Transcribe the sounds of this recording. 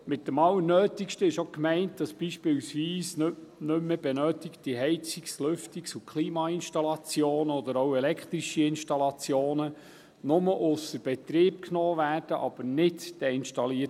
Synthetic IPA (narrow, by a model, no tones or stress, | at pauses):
mɪt̚dəmɑlːənøːt̪ikʃtəɪʃokmɛɪnt̚d̥ɑsb̥iːʃpɪwsʋiːsnɵmːeb̥ɛnœːtikt̚d̥iɦɛɪt͡sikslʏftiksukʰχliːmɑɪnʃtɑlɑt͡sjoːnəɔd̪əɾowɛlɛkχt̪ɾiʃiɪnʃtɑlɑt͡sjoːnə | nʊməʔʊsəɾb̥ɛt̪ɾeːp̚knoːvæːrd̥əʔɑb̥əɾnɪtd̥ɛɪnʃtɑliə